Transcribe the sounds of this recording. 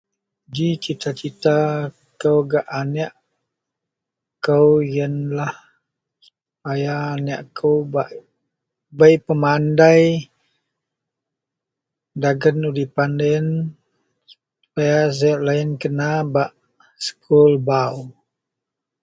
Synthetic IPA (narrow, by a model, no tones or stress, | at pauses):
d͡ʒit͡ʃit̪ʰat͡ʃit̪a | kəwɡaʔanɛʔ | kəwjənlah | suupajaːnɛʔkʰəwbaʔ | bajpəmandaj | daɡənudipandɛn | s | pajas̬aaʔlaɪnkənabaʔ | sə̥kʰulbaw